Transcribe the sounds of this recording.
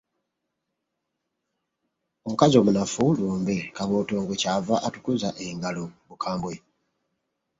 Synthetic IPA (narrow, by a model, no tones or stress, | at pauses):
o̞mukazo̞ːmunafuluːmbekaβoːtoːŋɡocavaʔatukuzaʔeŋɡaloβukʰaːmbwe